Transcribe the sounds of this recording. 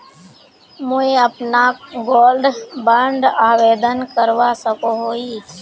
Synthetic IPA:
mʊẽəpnaːɡoːlɖbəɳɖaːʋeːd̪ənkəɾʋaːsəkoɦoːiː

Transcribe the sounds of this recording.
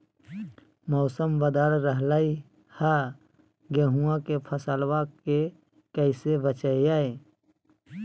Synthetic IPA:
mɔːsəmʋəd̪aːɾɾəɦlaːi | ha | ɡeːɦuãkepʰəsaːlwake | kəɪsebət͡ʃəejaːe

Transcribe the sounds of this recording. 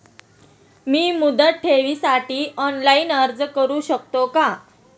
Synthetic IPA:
miːmud̪ət̪̚ʈʰeʋiːsaʈiːɔnlaiːnəɾd͡zkəɾuːɕək̚t̪oka

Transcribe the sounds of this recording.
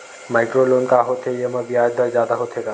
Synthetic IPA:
majkɾolonkaɦot̪ʰeeməbiad̪aɾd͡ʒad̪aɦot̪ʰeka

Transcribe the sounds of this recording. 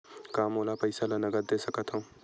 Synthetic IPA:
kaːmoːlapɐɪsalɐnɐɡəɾd̪eːsɐkət̪ɦõː

